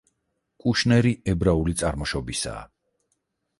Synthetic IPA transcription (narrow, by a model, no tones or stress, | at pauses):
kʼuʃnɛɾiɛbɾaulit̪sʼaɾmɔʃɔbisa̰ː